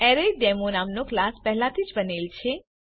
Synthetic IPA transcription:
ɛɾeɖemonamnoklaspɛɦlat̪ʰid͡ʒbənelt͡ʃʰe

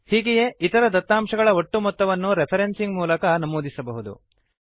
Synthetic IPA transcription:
hiːɡeje̞it̪ɐɾɐd̪ɐt̪ːaːmʂɐɡɐɭɐoʈːumɔt̪ːɐʋɐnːuɾepʰɐɾensiŋɡmuːlɐkɐnɐmoːd̪isɐbɐɦud̪ṵ

